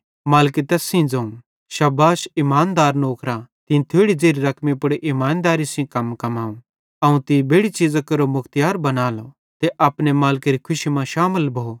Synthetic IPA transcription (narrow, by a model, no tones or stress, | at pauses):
maːlket̪ɛːsĩd͡zɐ̃ũ | ʃɐbaːʃimaːnd̪aːɾnoːkɾat̪ɪ̃t̪ʰeːɽid͡zeːɾiɾɐkʰmipʊɽeʔimaːnd̪aːɾisĩkɐmkɐmaːũ | ɐũt̪ĩbʱeːɽit͡ʃid͡zakɐɾomʊkʰt̪jaːɾbɐnaːlo | t̪eʔɐpnemaːlkeɾikʰʊʃimãʃaːməlbʱoo